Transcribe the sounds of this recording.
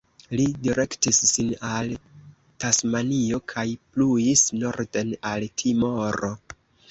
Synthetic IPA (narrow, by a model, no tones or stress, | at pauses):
lidiɾe̞ktisːinal | tasmanio̞kʰajplujisno̞ɾde̞naltʰimo̞ɾo̞